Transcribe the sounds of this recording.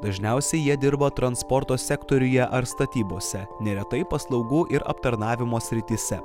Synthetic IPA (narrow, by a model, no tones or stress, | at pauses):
d̪̥ɐʒʲnʲɛˑʊsʲɛɪjiɛd̪ʲɪɾbɐt̪ɾɐnspɔɾt̪oːsʲɛkt̪oɾʲʊjɛʔɐɾst̪ɐt̪ʲiːboːsʲɛnʲɛɾʲɛt̪ɐɪpɐslˠɒʊɡuːʔɪɾɐ̰p̚t̪ɐɾnɑːʋʲɪmoːsʲɾʲɪt̪ʲiːsʲɛ